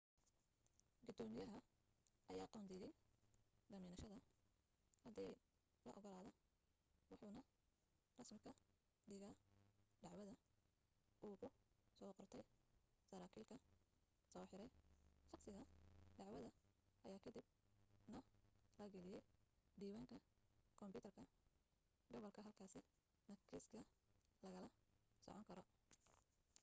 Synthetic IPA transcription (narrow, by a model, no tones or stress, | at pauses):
ɡʊd̪ɔːmɪjɐɦɐ | ʔɐjaːqɔːnd̪iːjɛj | d̪ɐmiːnɐʃɐðɐ | hɐd̪ij | lɐʔɔɣɔlaːðɔ | wɑħuːnɐ | rɑsmɪkʰɐ | ɖɪːɣɐɖɑʕwɐðɐ | ʔuːɣʰʊsɔːqɔrt̪ʰɛjsɐɾaːkʰiːlkʰɐ | sɔːħɪɾɛjħɑqsɪɣɐɖɑʕwɐðɐʔɐjaːkʰɐd̪ɪbnɔlɐɡɐlɪjɛjd̪iːwaːŋkʰɐkʰɔmpʊːt̪ʰɐrkʰɐ | ɡɔβɔlkʰɐɦɐlkʰaːsɪ | nɐkʰiskʰɐlɐɣɐlɐsɔ̰ʕɔŋkʰɐɾɔ